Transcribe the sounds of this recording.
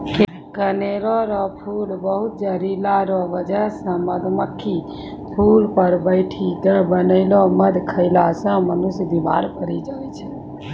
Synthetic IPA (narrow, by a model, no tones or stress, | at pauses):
k | kəneɾɔɾɔpʰulbəɦut̪̚d͡ʒəɾilaɾɔʋəd͡ʒəsə̃məd̪məkʰːi | pʰulpəɾbəɪʈʰidəbənəɪlɔməd̪ʱkʰəɪlasə̃mənusd̪ima̰ɾpəɾid͡ʒat͡ʃʰɛ